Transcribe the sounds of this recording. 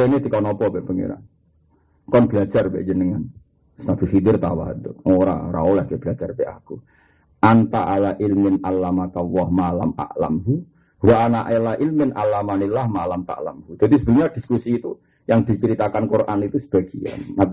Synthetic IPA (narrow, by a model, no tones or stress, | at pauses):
enit̪ikɔnɔpɔbɛʔpəŋḭɾa̰ | kɔnblad͡ʒarbɛ̰ʔd͡ʒənəŋan | snab̥isid̪ɪrt̪a̰wa̰ɦd̪ʊoɾa̰ɾa̰olahɡɛʔb̥lad͡ʒarbɛʔa̰ku | ʔant̪aʔalaʔilmɪnalamakawɔhmala̰ma̰la̰mɦu | waʔanaʔilailmɪnʔa̰lamanilahmalamt̪a̰ʔla̰mhud͡ʒ̥ad̪isəbəlumɲad̥iskusiːt̪u | jaŋd̪̥it͡ʃəɾit̪akankurʔa̰nit̪usə̥b̥aɡ̥ia̰nːa